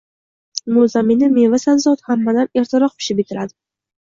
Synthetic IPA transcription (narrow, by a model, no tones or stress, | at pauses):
mozamenɪme̞vasanzɒt̪hamːad̪ane̞ɾt̪ʰɪɾɒq̚pʰɪ̥ʃɪp̚ɪt̪ʰɪɾad̪ɪ